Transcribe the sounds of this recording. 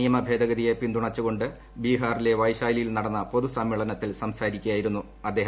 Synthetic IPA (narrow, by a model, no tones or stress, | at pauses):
ijɐmɐbʱe̞ːd̪ɐɣɐd̪ijepind̪uɳɐt͡ɕːuɣo̞ɳɖɨ | biːɦaːrile̞ʋɐjɕaːjlijilnɐɽɐnːɐpo̞ðusɐmːiːɭɐnɐt̪ːilsɐmsaːɾikʲːujaːjiɾunːu | ɐd̪ːe̞ːɦ